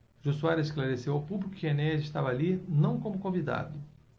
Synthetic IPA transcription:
ʒusuaɾzɪsklaɾesewawpublikʊ̥kɪenɛɛzɪʃt̪avɐalinɐ̃w̃kõmʊkõvid̪a̰d̪ʊ

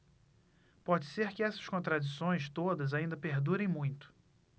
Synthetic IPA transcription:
pɔd͡ʒɪseɾkɪɛsɐ̥ʃkõnt̪ɾad͡ʒisõj̃st̪od̪ɐzaĩnd̪ɐpeɾd̪uɾẽj̃mũj̃t̪ʊ̥

